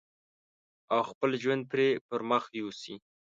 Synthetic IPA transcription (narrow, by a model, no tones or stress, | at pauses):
awxpəlʒwand̪̚pɾepəɾməxjusi